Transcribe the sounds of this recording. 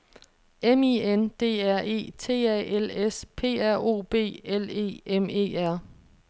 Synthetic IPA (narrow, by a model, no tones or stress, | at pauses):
emiend̥e̝̰ːæɐ̰e̝̰ːt͡sʰe̝̰ːɛ̰ːelespʰe̝̰ːæɐ̰o̝̰ːb̥e̝̰ːele̝̰ːʔeme̝̰ːæɐ̰